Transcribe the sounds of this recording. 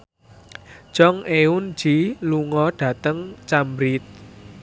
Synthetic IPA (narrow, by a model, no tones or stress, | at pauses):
ʒ̥ɔŋʔeun̥d͡ʒ̥iluŋɔɖ̥ä̤t̪əŋt͡ʃambɾɪt̪̚